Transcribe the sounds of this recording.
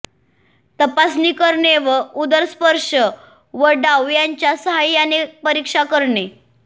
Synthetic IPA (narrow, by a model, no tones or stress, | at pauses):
t̪əpasnikəɾɳeʋəud̪əɾspəɾʂə | ʋəɖaʋjaɲt͡ɕjasəɦajːanepəɾikʂakəɾɳe